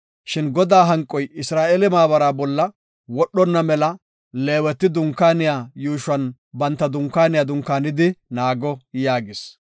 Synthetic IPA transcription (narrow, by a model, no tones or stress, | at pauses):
ʃɪnɡɔd̪aːɦɐŋkʼːɔjɪsɾaːʔelɪmaːbɐɾaːbɔlːɐ | wɔɗːɔnːɐmɛlɐ | leːwɛt̪ːɪd̪ʊŋkːaːnɪjaːjuːʃɐn | bɐnt̪ːɐd̪ʊŋkːaːnɪjaːd̪ʊŋkːaːnɪd̪ɪnaːɡɔjaːɡɪs